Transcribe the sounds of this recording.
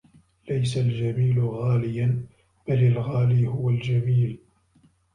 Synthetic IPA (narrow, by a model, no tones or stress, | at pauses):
lajsald͡ʒamiːlʊɣaːlɪjan | b̥alɪlɣaːliːhʊwald͡ʒamiːl